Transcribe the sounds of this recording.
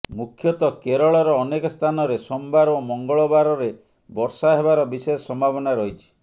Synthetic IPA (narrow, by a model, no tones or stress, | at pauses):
mukʰːjɔt̪ɔkeɾɔɭɔɾɔːnekɔst̪ʰanɔɾesɔmbaɾomɔŋɡɔɭɔbaɾɔɾe | bɔɾsaɦeβaɾɔbisɔjɔsɔmbʱapɔnaɾɔɦit͡ʃʰi̥